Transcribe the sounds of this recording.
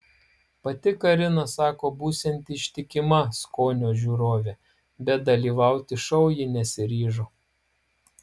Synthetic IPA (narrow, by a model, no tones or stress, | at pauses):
pɐt̪ʲɪkɐɾʲɪnɐsɑːkoːbuːsʲɛnʲt̪ʲɪʃʲt̪ʲɪkʲɪmɐskoːnʲoːʒʲuːɾoːʋʲɛ | bʲɛt̪̚d̪ɐlʲiːʋɑˑʊt̪ʲɪʃɐʊjɪnʲɛsʲɪɾʲiːʒoː